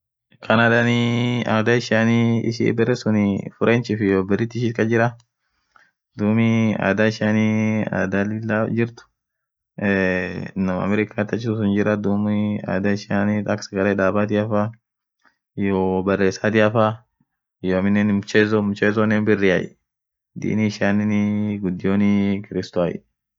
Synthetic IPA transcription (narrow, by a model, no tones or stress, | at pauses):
kʰɐnad̪aniaːd̪aɪʃaːniɪ̰ʃḭbɛrːɛsʊnɪfʊɾʔeːnt͡ʃɪfɪjoːbɛrɪt̪ːɪʃiːt̪kʼɐd͡ʒɪɾɐ | d̪uːmɪa̰ːd̪aɪʃania̰ːd̪alɪlːad͡ʒɪɾt̪ʊ̥ | nɐmɐ̰mɛɾɪkʰat̪ːɐt͡ʃːɪssʊnd͡ʒɪɾɐd̪uːmɪa̰ːd̪aɪʃaːniɐksɐɡɐleːᶑaːbaːt̪̬ɪɐfa | joːbɐrːe̞ːsaːt̪ɪɐfa | joɐmɪnːɛnmʊt͡ʃeːzɔmʊt͡ʃeːzɔnːɛnbɪrːɪɐʔɛ̰ | d̪ḭːniʃaːnɪnɡʊd̪ːɪjoːnɪkɪɾɪst̪oajɛ̰